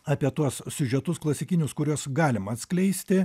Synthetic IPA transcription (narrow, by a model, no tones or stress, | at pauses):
ɑːpʲiɛt̪uɔssʲʊʒʲɛt̪ʊsklˠɐsʲɪkʲɪnʲʊskʊɾʲuɔsɡɑːlʲɪmɐɐt̪sʲklʲɛɪsʲt̪ʲɪ